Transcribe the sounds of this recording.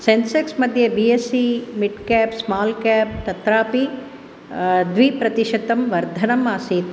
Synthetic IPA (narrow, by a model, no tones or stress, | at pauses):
senseksmɐd̪ʱjɐbijesimiʈkɛːpsmaːlkɛːp̚t̪ɐt̪ɾaːpi | d̪ʋipɾɐt̪iʃɐt̪ɐmʋɐɾd̪ʱɐnɐmaːsit̪